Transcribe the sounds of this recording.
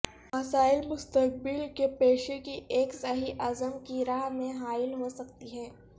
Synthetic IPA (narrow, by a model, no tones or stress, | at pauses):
mɐsaːɪlmʊst̪ək̚bɪlkepeːʃekiʔeːksɐɦiʔɐzəmkiɾaːɦmẽɦaːɪlɦosɐkt̪iɦɛ̃ː